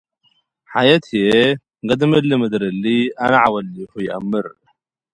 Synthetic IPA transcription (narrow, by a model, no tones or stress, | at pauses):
ħajɐt̪ʰije | ɡɐd̪mɨlːɨmɨd̪ɾɨlːianɐʕawɐlːiħujɪʔɐmːɨɾ